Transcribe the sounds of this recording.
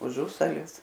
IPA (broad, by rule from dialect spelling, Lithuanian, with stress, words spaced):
ʊˈʒʊsɐlʲɪs